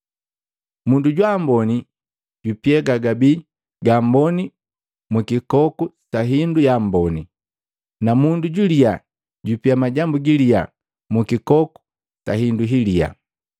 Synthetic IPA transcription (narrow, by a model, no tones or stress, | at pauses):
munduɟwambɔni | ɟupiɛɡaɡabi | ɡambɔni | mukikɔkutaɦindujambɔni | namunduɟulia | ɟupiamaɟambuɡilia | mukikɔku̥ | taɦinduɦilia̰